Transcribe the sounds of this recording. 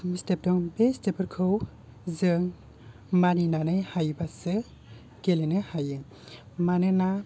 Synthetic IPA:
mstep̚dɔŋbestepʰɯɾkʰɯw | zɯŋ | maninanɯjhajbasɯ | kelenɯhajɯŋ | manɯna

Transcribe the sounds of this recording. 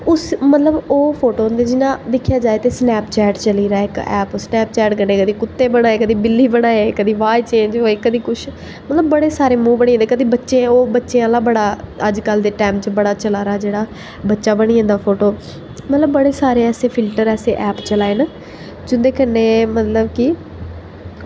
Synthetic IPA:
ʊsmət̪ləboːpʰoːʈoːɦə̃nd̪eːd͡ʒɪnãːd̪ɪkʰːjaːd͡ʒaːeːt̪eːsnɛːpt͡ʃɛːʈt͡ʃəliːɾaːɪkɛ̰ːpːsnɛːp̚t͡ʃɛːʈkəneːkəd̪iːkʊt̪ːeːbəɽaːeːkəd̪iːbɪlːiːbəɽ̃aːeːkəd̪iːʋaːit͡ʃẽːɲd͡ʒɦoːeːkəd̪iːkʊʃʰ | mələbːəɽeːsaːɾeːmũːbəɽ̃iːənd̪ekəd̪iːbətːʃẽːoːbətːʃẽːaːlãːbəɽaːəd͡ʒkəld̪eːʈɛːmt͡ʃbəɽaːt͡ʃəlaːɾaːd͡ʒeːɽaː | bətːʃaːbəɽ̃iːə̃ːnd̪aːpʰoːʈoː | mət̪ləbːəɽeːsaːɾeːɛːseːpʰɪlʈəɾɛːseːʔɛːpt͡ʃəlaːeːnaː | d͡ʒʊnd̪eːkənːeːmət̪ləbkɪ

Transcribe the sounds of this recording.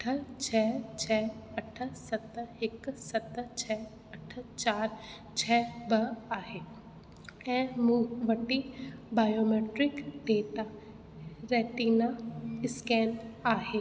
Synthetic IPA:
ʈʰət͡ʃʰɛːt͡ʃʰɛːɐʈʰə̆sɐt̪ɦɪksɐt̪t͡ɕʰɛː | ɐʈʰət͡ʃaːɾ | t͡ʃʰɛːbɐaːɦeː | ɛ̃ːmuːʋɐʈibaːjoːmeːʈɾɪkɖeːt̪a | ɾɛːʈiːnaɪskɛːnaːɦeː

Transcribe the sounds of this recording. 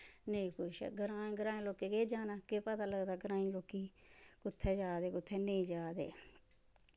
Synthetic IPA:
nəĩːkʊʃɛ̰ːɡəɾãːɡəɾãːĩːloːkeːkeːd͡ʒaːnaːkepət̪aːləɡd̪aːɡəɾãːĩːloːkiːkʊt̪ʰːɛːd͡ʒaːd̪eːkʊt̪ʰːɛːnĩːd͡ʒaːd̪ḛː

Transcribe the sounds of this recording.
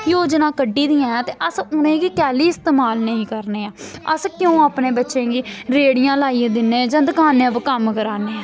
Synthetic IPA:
joːd͡ʒnãːkəɖːiːd̪iːãːãːt̪eːʔəsʊnẽːɡiːkɛːliːɪst̪eːmaːlnəĩːkəɾneːãːəskjõːaːpneːbətːʃẽːɡiːɾeːɽɪjãːlaːiãːd̪ɪnːẽːd͡ʒãːd̪əkaːnẽːpəkəmkəɾaːnẽː

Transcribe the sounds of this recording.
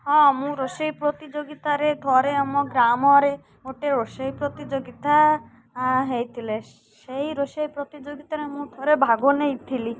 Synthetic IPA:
ɦɔ̃mũɾosejpɾɔt̪id͡ʒoɡit̪aɾed̪ʰʱɔɾeɔmɔɡɾamɔɾe | oʈeɾosejpɾɔt̪id͡ʒoɡit̪a | ɦejt̪ʰile | seiɾosejpɾɔt̪id͡ʒoɡit̪aɾemũd̪ʰʱɔɾebʱaɡonejt̪ʰili

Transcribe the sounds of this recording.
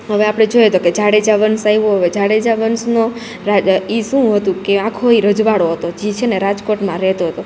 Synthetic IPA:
ɦəʋeapɽ̃ed͡ʒojət̪oked͡ʒaɽed͡ʒaʋənsaiʋoɦəʋed͡ʒaɽed͡ʒaʋənsno | ɾaiʃũɦət̪ũkeãkʰoiɾəd͡ʒʋaɽoɦət̪od͡ʒit͡ʃʰeneɾad͡ʒkoʈmãɾɛɦt̪oɦət̪o

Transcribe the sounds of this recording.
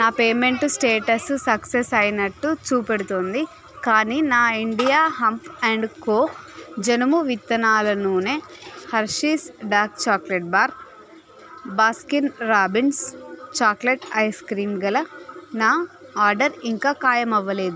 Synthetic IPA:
naːpe̞ːme̞ɳʈsʈeːʈɐsusɐksesɐjnɐʈːut͡ʃuːpeɽut̪oːnd̪i | kaːniːnaːiɳɖijaːɦɐmpʰɛɳɖkoːd͡ʒɐnɐmuʋit̪ːɐnaːlɐnuːne̞ːhɐɾʂiːsɖaːk̚t͡ʃaːkleʈ̚baːɾ | baːskinɾaːbinst͡ʃaːkleʈɐjskɾiːnɡɐlɐnaːaːɾɖɐɾiŋkaːkaːjɐmɐʋːɐle̞ːd̪u

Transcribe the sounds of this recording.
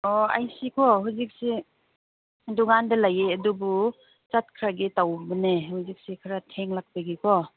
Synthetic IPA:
ɔa̰jsikʰɔɦuzik̚si | dɔɡandɐlajeɐdubu | t͡ʃat̚kʰɾaɡitawbənehuzik̚sikʰaɾatʰeŋlak̚paɡikʰɔ

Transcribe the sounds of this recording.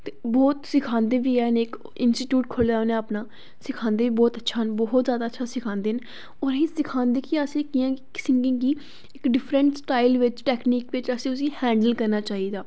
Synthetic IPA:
t̪ebɔːt̪sɪkʰãːnd̪eːbiːɛːneːk | ɪnsʈiːʈjuːʈkʰʊlaːonẽəpnaː | sɪkʰãːnd̪eːʋiːbɔːt̪ətːʃʰaːnbɔːɦt̪zjaːd̪aːtːʃʰaːsɪkʰãːnd̪eːn | ɔːɾɦeːsɪkʰãːnd̪eːkiəsẽːkɪjãːkɪ̥sɪŋɡɪ̃ːɡiː | ɪkɖɪpʰɾəɳʈsʈaːɪlʋɪt͡ʃʈɛːkniːkʋɪt͡ʃəsẽːʊsiːhɛ̃ːɳɖəlkəɾnaːt͡ʃaːɦiːd̪aː

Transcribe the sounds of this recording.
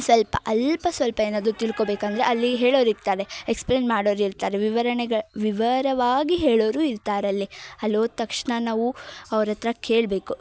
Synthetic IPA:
sʋɐlpɐʔɐlpɐsʋɐlpɐeːnaːd̪ɾut̪iɭko̞ːbeːkɐnd̪ɐɾeɐlːiɦeːɭoːɾiɾt̪aːɾe̞ekspleːnmaːɽoːɾiɾt̪aːɾeʋiʋɐɾɐɳɛɡɐɭʋiʋɐɾɐʋaːɡiɦeːɭoːɾuːiɾt̪aːɾɐlːiɐloːt̪ɐkʂɳɐnaːʋuɐʋɾɐt̪ɾɐke̞ːɭbe̞ːku

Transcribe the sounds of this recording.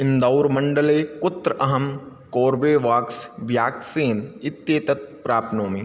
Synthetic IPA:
ɪ̃nd̪awɾmɐɳɖəleːkʊt̪ɾəɐɦɐm | koːɾbeːʋaːksʋjaːkseːnɪt̪ːjeːt̪ɐt̪pɾaːp̪noːmi

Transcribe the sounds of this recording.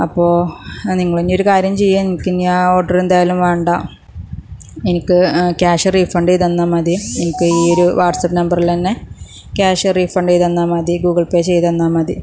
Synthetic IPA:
ɐpːo̞ːniŋːɐɭenːo̞ɾukaːɾjɐmt͡ɕejːaːnenikʲːɨɲãːo̞ːʈːɐrend̪aːjalumʋeːɳɖaː | enikʲːɨkʲaːʂɨriːfɐɳɖejt̪ɐnːamɐðienikʲːɨiːo̞ɾuʋaːʈsɐpːnɐmbɐrilt̪ɐnːe̞ | kʲaːʂɨriːfɐɳɖejt̪ɐnːaːmɐðiɡuːɡɐɭpeːt͡ɕe̞jt̪ɐnːaːmɐd̪i

